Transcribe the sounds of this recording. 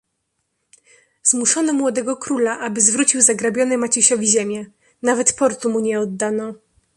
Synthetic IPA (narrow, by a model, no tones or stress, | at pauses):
zmuʂɔnɔmwɔd̪ɛɡɔkɾulaʔabɘzvɾut͡ɕiwzaɡɾabʲjɔnɛmat͡ɕiɕɔvʲiʑemʲjɛ | navɛt̪pɔɾt̪umuɲɛɔd̪ːanɔ